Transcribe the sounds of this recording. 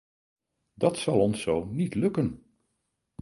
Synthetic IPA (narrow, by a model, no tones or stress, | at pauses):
dɑtsɑlˠɔnsownitlɵkən